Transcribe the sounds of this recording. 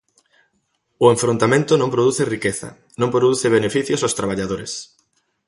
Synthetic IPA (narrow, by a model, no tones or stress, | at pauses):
ʊẽɱfɾõnt̪amẽnt̪ʊnõmpɾoðuθɪrikeθɐ̰ | nõŋmpɾoðuθeβ̞enefiθjosaʊst̪ɾaβ̞aʎaðoɾḛs